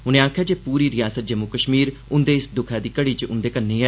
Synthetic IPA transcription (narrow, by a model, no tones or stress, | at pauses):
ɦʊnẽːaːkʰjaːd͡ʒeːpuːɾiːɾɪjaːsət̪̚d͡ʒəmʊkəʃmiːɾʊnd̪eːɪsd̪ʊkʰaːd̪iːkəɽiːt͡ʃʊ̰nd̪eːkənːeːɦɛ